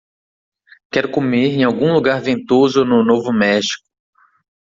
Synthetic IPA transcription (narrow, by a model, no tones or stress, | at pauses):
kɛɾʊkomeɾẽj̃awɡũluɡaɾvẽnt̪ozʊnʊnovʊmɛʃi̥kʊ̥